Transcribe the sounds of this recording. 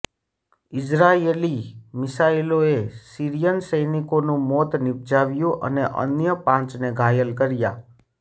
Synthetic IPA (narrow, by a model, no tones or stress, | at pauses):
ɪd͡ʒɾaelimɪsailoesiɾijənsəjnikonũmɔt̪nɪb̚d͡ʒaʋjũʔə̰neʔə̰njəpãt͡ʃneɡʱajəlkəɾja̰